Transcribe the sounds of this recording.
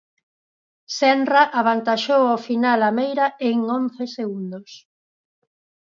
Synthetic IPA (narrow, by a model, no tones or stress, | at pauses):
sɛnraʔaβant̪aʃowofinalamejɾaeŋõnθeseɣund̪os